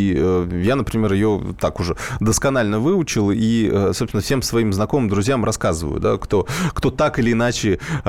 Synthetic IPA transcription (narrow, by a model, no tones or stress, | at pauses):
əjanəpɾʲɪmʲe̞ɾjɪjo̞̰t̪akʊʐɛd̪əskɐnalʲnəvɨʊt͡ɕɪlˠiəsopsʲnəfsʲe̞msvɐimznɐko̞mɨmd̪ɾʊzʲjamrɐskazɨvə̰jʊ̰d̪a̰kt̪o̞kt̪o̞t̪akɨlʲɪːnat͡ɕɪ